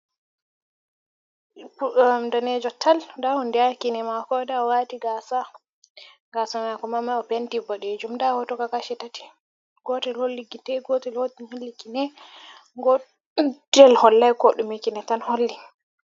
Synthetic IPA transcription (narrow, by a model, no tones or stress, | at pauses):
daned͡ʒɔtʰaldahundiakinɛmakɔdawatiɡasa | ŋɡasamakɔmamaɔpentibɔɗed͡ʒumdahɔtɔkakaʃɛtati̥ | ɡ̥ɔtɛlholːikitɛɡɔtɛlhotiɲolːikinɛ | ŋɡɔ | dɛlhɔlːajkɔɗumikinɛtanholːi